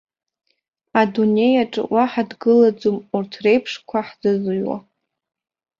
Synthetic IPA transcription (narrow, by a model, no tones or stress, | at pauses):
adune̞jaʈ͡ʂʼɨ̰wʔaħadɡɨlad͡zumurtʰre̞jpʰʂkʷʰaħd͡zɨzɨɥwa̰